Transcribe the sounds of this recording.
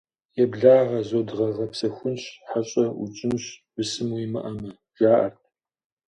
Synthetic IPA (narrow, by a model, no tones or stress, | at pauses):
jɛbɮaːʁɐzoːdʁɐʁɐpsɐxʷʊnɕħaɕʼɐṵt͡ʃʼɪnɕb̥ɨsɨmwimɐ̰ʔɐmɐ | ʒaːʔɐ̰t̚ʰ